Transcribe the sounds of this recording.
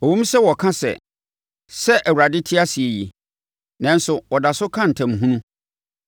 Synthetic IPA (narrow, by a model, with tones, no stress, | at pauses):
ɔ˨wõ˦m˦sɛ˦wɔ˨kʰã˦sɛ̰˨ | sɛ˦ʔæ˨wa˨dɪ˦tʰɪ˦a˦si˨e˨ji˨ | nã˦n˦sʊ˨wɔ˨da˨sʊ˦kʰã˦n̩˨tʰɛ̃˨m˨ɦũ˦nũ˦